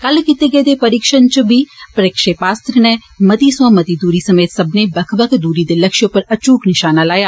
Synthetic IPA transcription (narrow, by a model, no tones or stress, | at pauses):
kəlkit̪eːɡeːd̪eːpəɾɪkʃənt͡ʃəbiːpəɾɪkʃeːpaːst̪ɾnɛː | mət̪iːsʋãːmət̪iːd̪uːɾiːsəmeːt̪səbneːbəkʰbəkʰd̪uːɾiːd̪eləkʃʊpːəɾət͡ʃuːknɪʃaːnaːlaːjaː